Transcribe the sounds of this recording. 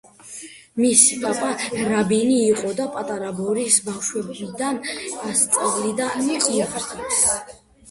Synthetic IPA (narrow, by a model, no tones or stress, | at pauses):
misipʼapʼaɾabiniːqʼɔd̪apʼat̪ʼaɾabɔɾisbafʃwɛbid̪anast̪sʼavlid̪amiqʼiaχɾʼit̪s